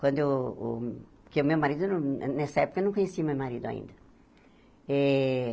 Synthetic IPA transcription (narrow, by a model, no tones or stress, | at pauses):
kwɐ̃nd̪ʊ | pkeʊmewmaɾid̪ʊñnɛsɐɛpʊkɐewnɐ̃kõɲesiɐmewmaɾid̪ʊa̰ḭ̃nd̪ɐ | ɛ